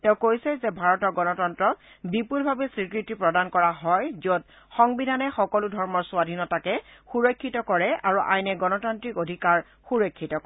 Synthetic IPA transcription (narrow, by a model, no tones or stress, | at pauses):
tɛʊ̃kojsɛzɛbʱaɹɔtɔɹɡɔnɔtɔntɹɔk̚ | bipulbʱabɛsɹikɹitipɹɔdankɔɹaɦɔjziot̚ | xɔŋbidʱanɛxɔkɔludʱɔɹmɔɹsʊwadʱinɔtakɛxuɹɔkʰːitɔkɔɹɛʔaɹuʔa̰jnɛɡɔnɔtantɹikodʱikaɹ | xuɹɔkʰːitɔkɔ